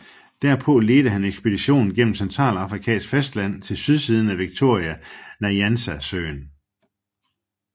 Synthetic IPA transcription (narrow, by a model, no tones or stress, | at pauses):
d̥æɐpʰɔ̽le̝ːd̥əhæneɡ̥sb̥e̝d̥iɕo̝̰ːnn̩ɡ̥en̰m̩sent͡sʰʁɑ̰̈ːlɑ̈fʁikʰɛ̰ːnsɡ̥fesd̥læn̰t͡sʰe̝lsyð̞ˠsiːð̞ˠn̩æʋiɡ̥̚t͡sʰo̝ɐ̰iænæjænsæsø̰ːn